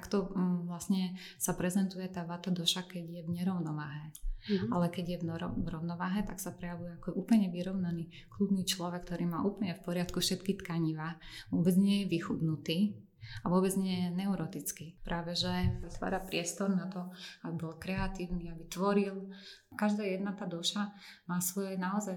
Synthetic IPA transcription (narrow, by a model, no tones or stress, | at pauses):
akt̪ɔʋlasɲɛ | sapɾɛzɛnt̪ujɛt̪aːʋat̪ad̪ɔʃakɛɟjɛʋɲɛɾɔʊnɔʋaːɦɛalɛkɛɟjɛɔɾɔ̰ʋɾɔʊnɔʋaːɦɛt̪aksapɾɛjaʋujɛakɔʔuːpl̩ɲɛʋiɾɔʊnaniː | klubniːt͡ʃlɔʋɛkːt̪ɔɾiːmaːʔuːpl̩ɲɛfpɔɾɪat̪kufʃɛt̪kit̪kaɲiʋaːʋʊɔbɛd͡zɲɪɛjɛʋixud̪nut̪iː | aʋʊɔbɛd͡zɲɛjɛnɛʊɾɔt̪it͡skipɾʔaːʋɛʒɛʋit̪ʋa̰ːɾapɾɪɛst̪ɔɾnat̪ɔabibɔlkɾɛat̪iːʊniabit̪ʋɔɾilkaʒd̪aːjɛd̪nat̪aːd̪ɔʃamaːsʋɔjɛnaɔzaj